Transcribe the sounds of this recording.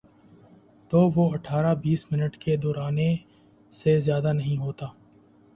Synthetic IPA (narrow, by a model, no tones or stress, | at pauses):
t̪oːʋoːɐʈʰaːɾabiːsmɪnəʈked̪ɔːɾaːne | sezjaːd̪aːnɐɦĩɦoːt̪aː